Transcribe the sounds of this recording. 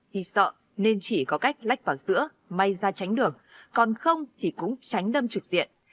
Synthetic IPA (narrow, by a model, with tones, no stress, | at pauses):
t̪ʰi˧˨˩sə̰ː˧˨ | ne˧nt͡ɕi˧˩kɔ˨˦ka˦˥jk̚la̰˧˦˥jk̟̚vaː˨˩wzɨ̰˧˥ə | ma˧jzaː˧t͡ɕa˨˦jŋ̟ɗɨ˨˩əŋkɔ˨˩nxə˧wŋ͡mt̪ʰi˨˩kʊ̰˧˥ŋ͡mt͡ɕa˨˦jŋ̟ɗə˧mt͡ɕɨ˨˩k̚z̥ḭ˧˨ənʔ